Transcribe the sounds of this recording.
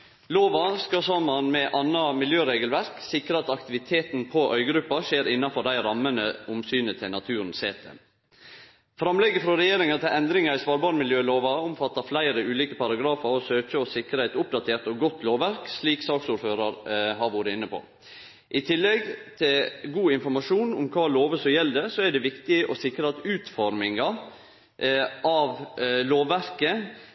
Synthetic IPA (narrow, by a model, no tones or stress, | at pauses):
loːʋɑskɑsɔmːɑnmɛʔɑnːɑmɪljøːɾeːɡəlʋæɾksɪkɾəɑt̪ɑkt̪ɪʋɪt̪ʰeːt̪npʰɔʔœʏɡɾʉpːɑʃeːɾɪnːɑfɔɖ̪æɪɾɑmːənəʊmsyːnət̪ʰɪlnɑt̪ʰʉːɾn̩seːt̪ʰə̰ | fɾɑmlɛɡəfɾɔɾɛjeːɾɪŋɑt̪ʰɪlɛnd̪ɾɪŋɑɾɪsʋɑːɾbɑːɾmɪljøːloːʋɑʊmfɑt̪ːɑflæɪɾəʔʉːliːkəpɑɾɑɡɾɑːfɑɾɔsøːçəɔsɪkɾəæɪt̪ʊp̚d̪ɑt̪ʰeːɾt̪ɔɡɔt̪ʰːloːʋæɾksɭiːksɑːksuːɾføːɾɑɾɦɑɾʋʊɾəɪnːəpʰo̰ː | ʔɪt̪ʰɪlːɛɡt̪ʰɪlɡuːɪnfɔɾmɑʂuːnʊmkʰɑːloːʋəsɔjɛlːd̪ɛsɔæɖɛʋɪkt̪ɪʔɔsɪkɾəɑt̪ʉːt̪fɔɾmɪŋɑ | ʔɑʋloːʋæɾkə